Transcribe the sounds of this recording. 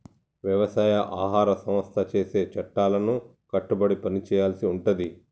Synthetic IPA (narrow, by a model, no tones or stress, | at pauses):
ʋjɐʋɐsaːjɐʔaːɦaːɾɐsɐ̃mɐst̪ʰɐt͡ʃe̞ːse̞ːt͡ʃɐʈːaːlɐnu | kɐʈːubɐɽipɐnit͡ʃɛːjaːlɐsiuɳʈund̪i